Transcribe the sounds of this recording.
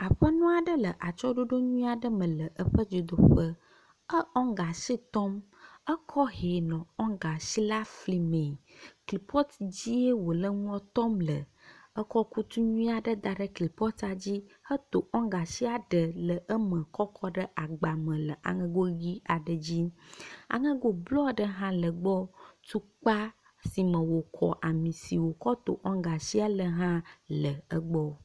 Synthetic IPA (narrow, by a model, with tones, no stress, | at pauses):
a˨ɸə˦nũ˦a˨ɖə˦lə˨ʔa˨t͡ʃɔ˦ɖo˦ɖo˦ɲũ˦ĩ˦a˨ɖə˦mə̃˨lə˨ʔə˦ɸə˦d͡ʒo˨d̪o˦ɸə˦ | ə˦ɔ̃˦ŋɡa˨si˦t̪ɔ˦m | ə˦kʰɔ˦ɦe˨nɔ̃˨ɔ̃˦ŋɡa˨si˦la˦fli˨mẽ˨kli˨pɔ˦t̪d͡ʑi˦e˦wo˨lə˦ŋũ˦ɔ̃˦t̪ɔ˦mlə̰˨ | ə˦kɔ˦ku˦t̪u˦ɲũ˦ĩ˦a˨ɖə˦d̪a˨ɖə˦kli˨pɔ˦t̪a˨d͡ʑi˦hə˦t̪o˨ʔɔ̃˦ɡa˨si˦a˨ɖə˨lə˨ʔə˦mə̃˨kɔ˦kʰɔ˦ɖə˦ʔa˨ɡ͡ba˨mə̃˨lə˨ʔa̰˨ŋə̃˦ɡo˦ɣi˦a˨ɖə˨d͡ʑi˦a̰˨ŋə̃˦ɡo˦blɔ˦ɖə˦ɦã˦lə˨ɡ͡bɔ˦t̪u˦k͡pa˦ | si˨mə̃˨wo˨kʰɔ̰˨ʔa˨mĩ˨si˨wo˨kɔ˦t̪o˨ʔɔ̃˦ŋɡa˨si˦a˨lə˨ɦã˦lə˨ə˦ɡ͡bɔ˦